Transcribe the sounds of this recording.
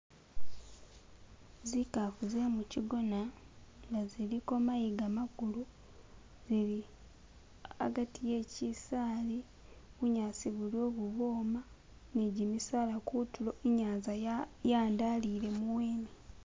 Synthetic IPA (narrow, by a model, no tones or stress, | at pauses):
zikafuzemuciɡo̞naŋɡaziliko̞majiɡamaɡulu | ziɾi | a̰ɡatije̞ːcisaːli | ɣuɲaːsiβuljo̞ːβuβo̞ːma | neɟimisaːlakutuloeɲaːnzajaːndaliɾe̞muweːmi